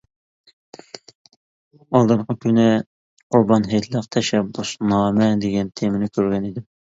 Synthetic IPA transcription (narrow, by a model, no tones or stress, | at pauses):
ɑlˠd̪ɨɾqəkʲʰynɪ | qʰʊɾbɑnɦet̪ʰlˠəqt̪ʰɛʃɛbːusnɑːmɛd̪eɡʲɛnt̪ʰemɪnɪkʲʰøɾɡʲɛnid̪ɪm